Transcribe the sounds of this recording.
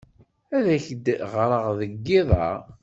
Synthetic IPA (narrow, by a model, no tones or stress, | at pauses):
æðæçəd̪ʁɾˤəʁðəɡːɪðˤɑ̰ʁ